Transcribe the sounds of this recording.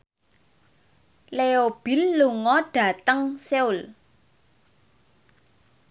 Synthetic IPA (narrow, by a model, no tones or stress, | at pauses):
leob̥i̤lːuŋɔɖ̥ä̤t̪əŋseʊl